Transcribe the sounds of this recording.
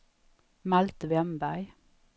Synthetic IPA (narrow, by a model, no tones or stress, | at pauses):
malt̪vɛmbæɾ